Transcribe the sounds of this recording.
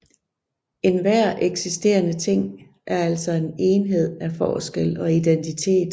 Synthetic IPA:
e̝nʋæɐ̰ʔeɡ̥sisd̥e̝̰ːɐnət͡sʰe̝ŋ̰ | ʔæɐæl̰sɒe̝ne̝ːnɦe̝ð̞̰ˠæfɒːsɡ̥el̰ɒ̽id̥ent͡sʰit͡sʰe̝̰ːd̥

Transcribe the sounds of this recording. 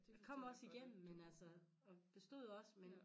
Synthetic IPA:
jkʰɒ̽m̰ɒ̽siɡ̥em̰m̩menælsə | ɒ̽b̥e̝sd̥o̝ð̰ˠɒ̽smen

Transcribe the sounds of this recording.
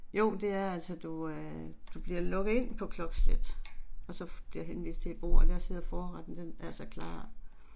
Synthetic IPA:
jo̝ʊ̰d̥e̝æɐæl̰sɒd̥uød̥ub̥liɐlɔ̽ɡ̥ð̩ˠe̝n̰pʰɒ̽kʰlɒ̽ɡ̥sled̥ɒ̽sɒ̽b̥liɐjɦenʋḭːsd̥t͡sʰe̝b̥ʁo̝̰ːɐɒd̥æɐseð̰ˠɐfɒːʁɑd̥n̩d̥enæɐsɒkʰlɑ̰̈ː

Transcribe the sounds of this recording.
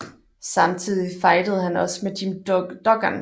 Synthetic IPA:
sɑ̈mt͡sʰið̞̰ˠifɑ̈ɪd̥əð̞̩ˠhænɒ̽smedʰimd̥ɒ̽ɡ̥ɐn

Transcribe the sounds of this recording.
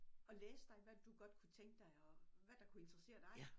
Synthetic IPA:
ɒ̽leːsəd̥ɑ̈ɪʋæd̥uɡ̥ɒ̽d̥kʰut͡sʰeŋɡ̥əd̥ɑ̈ɪɒ̽ʋæd̥ɑ̈kʰue̝nd̥ʁɐse̝̰ːɐd̥ɑ̈ɪ

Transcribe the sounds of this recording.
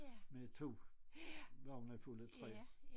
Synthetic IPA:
met͡sʰo̝̰ː | ʋɑnəfulət͡sʰʁɛ̰ː

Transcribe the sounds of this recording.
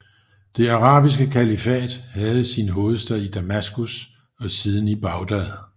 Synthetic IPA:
d̥e̝ɑʁɑ̰̈ːb̥is̬ɡ̥əkʰælifɛ̰ːd̥hæð̞̩ˠsinəɦo̝ːð̞̩ˠsd̥øɐid̥æmæsɡ̥us | ɒ̽siːð̞ˠn̩ib̥ɑ̈ʊd̥æðˠ

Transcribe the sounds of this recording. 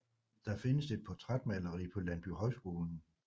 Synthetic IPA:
d̥ɑ̈fe̝nəse̝d̥̚pʰɒt͡sʰʁad̥̚mælɐʁḭːpʰɒ̽lænb̥yɦɒ̽ɪsɡ̥o̝ːln̩

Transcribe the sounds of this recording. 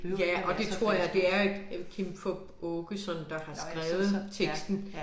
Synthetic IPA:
jæʔɒ̽d̥e̝t͡st͡sʰʁo̝ɐ̰jɑ̈ɪd̥e̝æɐkʰimfɔb̥ɔːɡ̥əsɒ̽nnd̥ɑ̈hɑ̈sɡ̥ʁaːʊð̩ˠt͡sʰeɡ̥sd̥n̩

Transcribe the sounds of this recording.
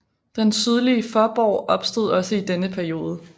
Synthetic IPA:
d̥ensyð̞ˠliəfɒːb̥ɒ̰ʊ̰ʔɒ̽b̥sd̥o̝ð̞ˠɒ̽səid̥enəpʰæɐio̝ːð̞ˠə

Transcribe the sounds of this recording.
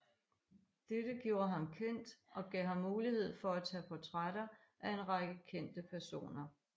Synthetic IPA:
d̥ed̥əɡ̥jo̝ːɐɦɑ̈mkʰen̰d̥ʔɒ̽ɡ̥ɛ̰ːɦɑ̈mːuːlihe̝ð̞̰ˠfɒ̽æt͡sʰɛ̰ːpʰɒt͡sʰʁaɾ̥ɐ | ʔæe̝nʁɑɡ̥əkʰen̰d̥əpʰæɐso̝̰ːnɐ

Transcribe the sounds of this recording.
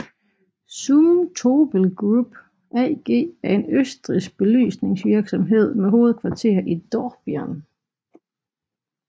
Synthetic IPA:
suːt͡sʰoːb̥əl̩ɡ̥ʁub̥ | ɛɡ̥e̝̰ːæɐe̝nøsd̥ʁisɡ̥̚b̥e̝ly̰ːsne̝ŋsʋiɐɡ̥sɒ̽mɦe̝ð̞̰ˠmeɦo̝ːð̞̩ˠkʰʋɑ̈t͡sʰe̝̰ːɐʔid̥ɒːb̥iæn

